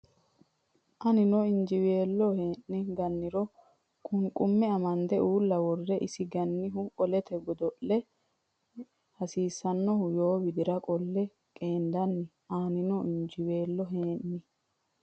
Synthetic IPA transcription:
ʔɐnɪnɔɪnd͡ʒɪweːlːɔheːʔːɪɡɐnːɪɾɔ | kʼʊŋkʼʊmːɛɐmɐnd̪ɛuːlːɐwɔrːɛʔɪsɪɡɐnːɪɦʊkʼɔlɛt̪ɛɡɔd̪ɔʔːɛ | hɐsiːsːɐnːɔhʊjo̞ːwɪd̪ɪɾɐkʼɔlːɛ | kʼe̞ːnd̪ɐnːɪ | aːnɪnɔɪnd͡ʒɪwe̞ːlːɔɦeːnnɪ

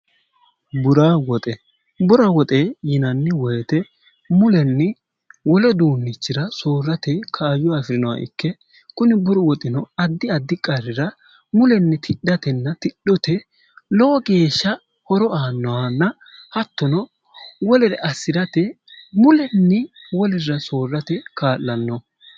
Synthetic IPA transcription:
bʊɾawɔt̪ʼɛ | bʊɾɐwɔt̪ʼejɪnɐnːɪwɔjɛt̪ɛ | mʊlɛnːɪ | wɔlɔd̪uːnːɪt͡ʃːɪɾɐsoːɾːɐt̪ɛkʰaːjʊafɪɾɪnɔwɐ̰ʔɪ̰kːɛ | kʊnɪbʊɾɔwɔt̪ʼɪnɔɐd̪ːɪɐd̪ːɪkʼɐɾɪɾɐ | mʊlɛnːɪt̪ʰɪɗːɐt̪ɛnːɐt̪ɪɗːɔt̪ɛ | lɔɔɡe̞ːʃːɐ | hɔɾɔaːnːɔwɐnːɐ | hɐt̪ːɔnɔ | wɔlɛɾɛʔɐsːɪɾɐt̪ɛ | mʊlɛnːɪwɔlɪɾɐso̞ːrːɐt̪ɛkʰaːlːɐnːɔ

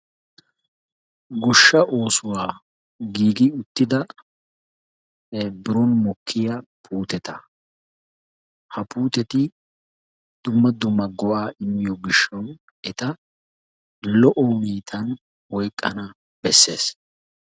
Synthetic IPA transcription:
ɡɔʃːɐʔo̞ːsʊwaː | ɡiːɡɪʊt̪ːɪd̪ɐ | bɪɾɔnmɔkʰːɪjɐpʰuːt̪ɛt̪ɐ | hɐpuːt̪ɛt̪ɪ | d̪̥ʊmːɐd̪ʊmːɐɡɔwaːʔɪmːɪjɔɡɪʃːɐw | ɛt̪ɐ | lɔʔɔmiːt̪ʰɐn | wɔjkʼːɐ̰nɐ | b̥ɛsːe̞̰ːs

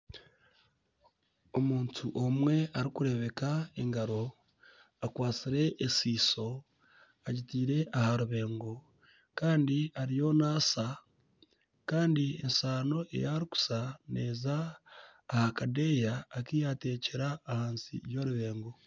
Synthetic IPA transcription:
o̞muːntʰuʔomwe̞aɾikuɾe̞βe̞kae̞ŋɡaɾo̞ | akwaːt͡siɾe̞ʔːsiːso̞ | aɟitiːɾe̞ʔahaɾuβe̞ːŋɡo̞ | kaːndiaɾijo̞naːsa | kaːndiḛnsaːno̞ʔe̞̰jaɾiku̥sane̞̰ːzaː | hakade̞jaːkijate̞ːceɾaːhaːnsḭjo̞ɾuβe̞ːŋɡo

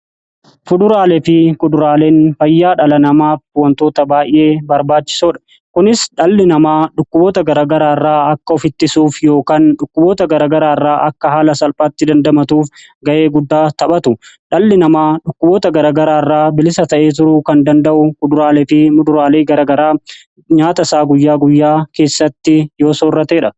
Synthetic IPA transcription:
fʊd̪ʊɾaːlɛfɪkʼʊd̪ʊɾaːle̞ːnfɐjːaːᶑɐlɐnɐmaːfʊwɐnt̪o̞ːt̪ɐbaːʔɪ̰ʔe̞ːbɐɾbaːt͡ʃːɪ̥soːᶑɐ̥ | kʊnɪsᶑɐlːɪnɐmaːᶑʊkːʊbo̞ːt̪ɐɡɐɾaːɡɐɾaːrːaːɐkːɐɔfɪt̪ːɪsuːfjo̞ːkaːnᶑʊkːʊboːt̪ɐɡɐɾaːɡɐɾaːrːaːʔɐkːɐhaːlɐsɐlpʼaːt̪ːɪd̪ɐnd̪ɐmɐt̪uːf | ɡɐʔe̞ːɡʊd̪ːaːt̪ɐɓɐt̪ʊᶑɐlːɪnɐmaːᶑʊkːʊbo̞ːt̪ɐɡɐɾaːɡɐɾaːrːaːbɪlɪsɐt̪ɐʔeːt̪̬ʊɾʊkɐnd̪ɐnd̪ɐʔʊmʊd̪ʊɾaːlefɪmʊd̪ʊɾaːleːɡɐɾaːɡɐɾaː | ɲaːt̪ɐsaːɡʊjːaːɡʊjːaːke̞ːsːɐt̪ːɪjo̞ːsoːrːɐt̪eːᶑɐ

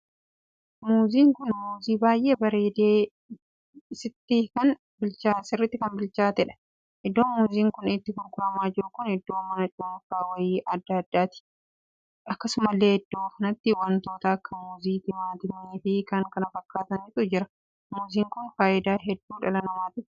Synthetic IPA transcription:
muːziːŋkʊnmuːziːbaːjʔe̞ːbɐɾeːd̪eː | sɪt̪ːikɐn | bɪlt͡ʃaːsɪrːɪt̪ːɪkɐnbɪlt͡ʃaːt̪ɛᶑɐ̥ | ʔɪd̪ːo̞ːnmuːziːŋkʊnɪt̪ːɪkʊlkʊɾɐmaːd͡ʒɪɾʊkʊnhɪd̪ːoːmɐnɐt͡ʃʼuːfaːwɐjiːʔɐd̪ːaːɐd̪ːaːt̪ɪ̥ | ʔɐkːɐsʊmɐlːe̞ːhɛd̪ːoːkɐnɐt̪ːɪwɐnt̪o̞ːt̪ɐːkːɐmuːziːt̪ɪmaːt̪ɪmɐniːfɪkɐŋkɐnɐfɐkːaːt̪ɐnɪt̪ʼʊd͡ʒɪɾɐ̥ | muːziːŋkʊnfaːʔɪd̪aːɦɛd̪ːuːᶑɐlɐnɐmaːt̪ɪ

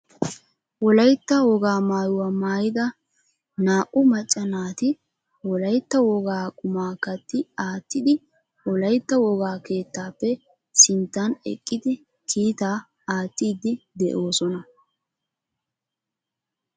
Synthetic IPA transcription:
wɔlɐjt̪ːɐwɔɡaːmaːjʊwamaːjɪd̪ɐ | naːʔʊmɐt͡ʃʼːɐnaːt̪ɪ | wɔlɐjt̪ːɐwɔɡaːkʼʊmaːkɐt̪ːɪaːt̪ːɪd̪ɪ | wɔlɐjt̪ːɐwɔɡaːke̞ːt̪ːaːpːɛ | sɪnt̪ːanɛ̰kʼːɪd̪ɪ | kʰiːt̪aː | aːt̪ːiːd̪ɪd̪ɛʔo̞ːsɔnɐ

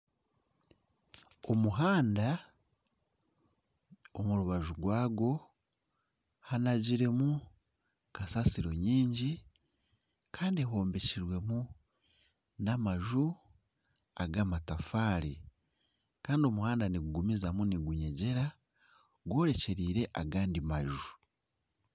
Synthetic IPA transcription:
omuɦaːnda | omuɾuβaʒuɡwaːɡo̞ | hanaɟiɾe̞mu | kasasiɾo̞ɲiːɲɟi | kaːndieho̞ːmbe̞ciɾwe̞mu | namaʒu | aɡamatafaːɾi | kaːndio̞muhaːndaniɡuɡumizamuniɡuɲe̞ɟe̞ɾa | ɡwo̞ːɾe̞ce̞ɾiːɾe̞ʔaɡaːndimaʒu

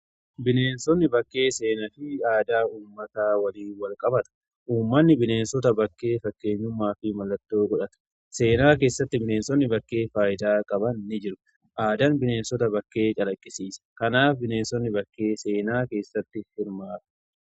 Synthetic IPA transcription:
bɪne̞ːnsɔnːɪbɐkːe̞ːse̞ːnɐfɪaːd̪aːuːmːɐt̪aːwɐliːnwɐlkʼɐbɐt̪ɐ̥ | ʔuːmːɐnːɪbɪne̞ːnsɔt̪ɐbɐkːe̞ːfɐkːe̞ːɲːʊmːaːfɪmɐlːɐt̪ːo̞ːɡʼɔᶑɐt̪ɐ̥ | se̞ːnaːke̞ːsːɐt̪ːɪbɪneːnsɔnːɪbɐkːe̞ːfaːjɪd̪aːkʼɐbɐnːɪd͡ʒɪɾʊ | ʔaːd̪ɐnbɪne̞ːnsɔt̪ɐbɐkːe̞ːt͡ʃʼɐlɐkʼːɪsiːsɐ̥kɐnaːfbɪneːnsɔnːɪbɐkːe̞ːse̞ːnaːke̞ːsːɐt̪ːɪhɪɾmaːt̪ɐ̥

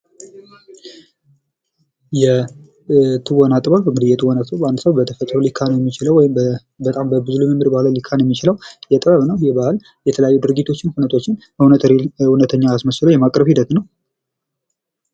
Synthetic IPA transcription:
jɛ | t̪ʰɨwanat̪ʼɨβalbəmɨd̪ɨjːɛt̪ʰʼɨwanat̪ʼobandsəwbət̪ʰəfət̪ʼɾolikʰːanəwjɛmːit͡ʃɪləwɔjɪm | bət̪ʼambəbɨzuluməmɨɾbahləwlikʰːanjɛmːit͡ʃɪləwjɛt̪ʼəβəβnəwjɛbahl | jɛt̪ʰələjajːud̪ɨɾɡit̪ʰo̞t͡ʃːɪnhunət̪ʰo̞t͡ʃːɪn | hunət̪ʰɾhunət̪ʰəɲːaːsməʃləwjɛmakʼɾəβhid̪ət̪nəw

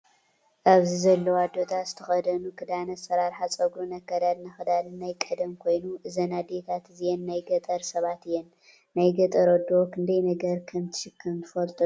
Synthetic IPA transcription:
ʔaβzizɐlːɐwad̪ːo̞t̪ʰazɨt̪ʰɐxɐd̪ɐnukʰɨd̪anɐsɐɾaɾħat͡sʼɐɡɾunɐkːɐd̪ad̪nɐxɨd̪alɨnajkʼɐd̪ɐmkʰo̞jnuʔɨzɐnad̪et̪ʰat̪ɨzijɛnːajɡɐt̪ʼɐɾsɐβat̪ɨjɛnː | ajɡɐt̪ʼɐɾod̪ːokʰɨnd̪ɐjnɐɡɐɾkʰɐmt̪ʰɨ̥ʃɨkʰːɐmʰɨfɐlt̪ʼu

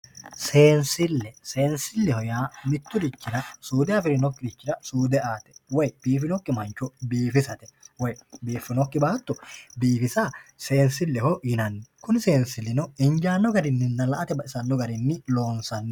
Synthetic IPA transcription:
se̞ːnsɪlːɛse̞ːnsɪlːɛhɔjaːmɪt̪ːʊd̪ɪt͡ʃːɪɾɐsuːd̪ɛɐfɪɾɪnɔkːɪd̪ɪt͡ʃːɪɾɐsuːd̪ɛaːt̪ɛ̥wɔjb̥iːfɪnɔkːɪmɐnt͡ʃːɔbiːfɪsɐt̪ɛwɔjbiːfːɪnɔkːɪbaːt̪ːɔbiːfɪsase̞ːnsɪlːɛhɔɪnɐnːɛkʊnɪse̞ːnsɪlːɪnɔɪnd͡ʒaːnːɔɡɐɾɪnːɪnːɐlɐʔɐt̪ɛbɐʔɪsɐnːɔɡɐɾɪnːɪlo̞ːnsɐnːɛ

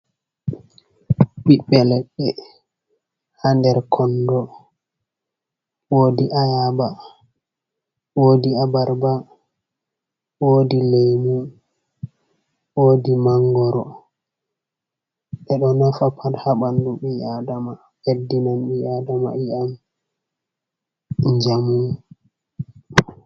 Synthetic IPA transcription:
ɓiɓːɛlɛɓːɛ | handɛɾkʰɔndɔ | woːdiʔajaba | wodiabaɾba | woːdilejmu | wodimaŋɡɔɾɔ̰ | ɓɛɗɔnafapʰadhaɓanduɓiadama | ʔedːinanɓiadama̰iam | ɲd͡ʒamu

